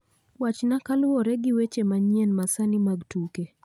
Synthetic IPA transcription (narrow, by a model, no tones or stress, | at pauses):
wat͡ʃnakalwɔɾɛɡɪwet͡ʃemaɲiɛnmasanimaɡtuke